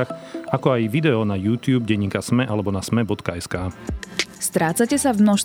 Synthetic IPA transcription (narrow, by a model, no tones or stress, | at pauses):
axakɔajʋid̪ɛɔnajuːt̪juːbɟɛɲːiːkasmɛʔalɛbɔnasmɛbɔt̪kaɛskaː | st̪ɾaːt͡sacɛsavmnɔʃ